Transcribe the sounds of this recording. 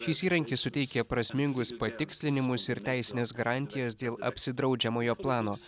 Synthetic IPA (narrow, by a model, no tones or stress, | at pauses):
ʃʲiːsiːɾɐŋʲkʲisʊt̪ʲɛɪkʲɛpɾɐsʲmʲɪŋɡʊspɐt̪ʲɪksʲlʲɪnʲɪmʊsɪɾt̪ʲæˑɪsʲɪnʲeːsɡɐɾɑnʲt̪ʲɪjɛsd̪ʲeːlˠɐ̰pʲsʲɪd̪ɾɒʊd͡ʒʲɛmoːjoːplˠɑːnoː